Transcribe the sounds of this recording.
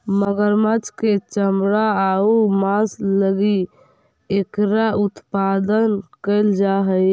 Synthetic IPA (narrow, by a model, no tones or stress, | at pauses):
məɡəɾmət͡ʃket͡ʃəmɾaaumasləɡi | ekɾaut̪pad̪ənkəɪld͡ʒaɦəj